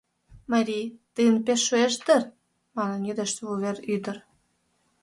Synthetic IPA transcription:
mɑɾʲit̪ɨjənpeʃːueʃd̪ər | mɑnə̆nid̪eʃt̪vulβeɾyd̪ə̆r

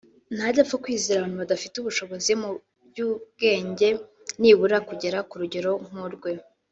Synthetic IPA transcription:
nhadafokwiːzeɾaβaːn̥huβadafiteuβuʃo̞βo̞zimu | bjuːb̚ɡe̞ːɲɟe̞ | niːβuɾakuɟe̞ɾakuɾuɟe̞ɾo̞ŋ̥uɾɡwe̞

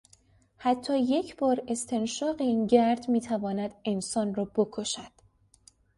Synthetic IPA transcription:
hæt̪ʰːɒːje̞cʰb̥ɒːɾe̞st̪ʰe̞nʃɒːɢeiːnɟæɾd̪miːt̪ʰævɒːnæd̪̥e̞nsɒːnrɒːbokʰoʃæd̪̥

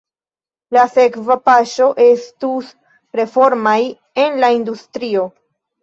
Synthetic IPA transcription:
lase̞kvapaʃo̞ʔe̞stus | pɾe̞fo̞ɾmaj | e̞nlaindustɾio̞

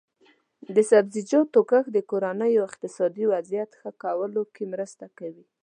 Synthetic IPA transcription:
d̪əsabzid͡ʒɑt̪ːokaxd̪əkoɾanəjoɪqt̪ɪsɑd̪iwazijat̪xəkawəlokemɾəst̪akawi

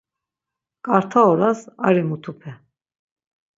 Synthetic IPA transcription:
kʼaɾt̪ʰaɔɾasa̰ɾimut̪ʰupʰɛ

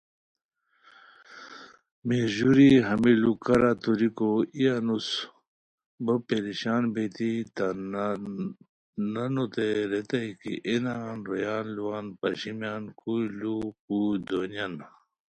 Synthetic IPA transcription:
meʑuɾiɦɐmilukɐɾat̪uɾikoijanus | bɐpeɾiɕaːnbet̪it̪a | nɐnot̪eɾet̪ɐikḭʔenanɾojaːnluwaːnpɐɕimjaːnkujluk̚uːd̪onan

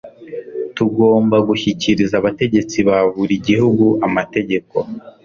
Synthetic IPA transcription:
tuɡo̞ːmbaɡuçiciɾizaːβate̞ɟe̞t͡siβaβuɾiɟihuɡuʔamate̞ɟe̞ko̞̰

